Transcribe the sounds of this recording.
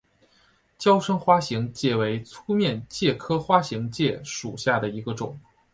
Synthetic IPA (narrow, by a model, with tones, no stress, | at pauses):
t͡ɕjɑ˥ʊʂɤ˥ŋxwa˥ɕi˧˥ŋt͡ɕjɛ˥˩we˧˥ɪt͡sʰu˥mjɛ˥˧nt͡ɕjɛ˥˩kʰɤ˥xwa˥ɕi˧˥ŋt͡ɕjɛ˥˩ʂṵ˨˩ɕja˥˩d̪ə˩i˧˥ɡə˧ʈ͡ʂʊ̰˨˩˦ŋ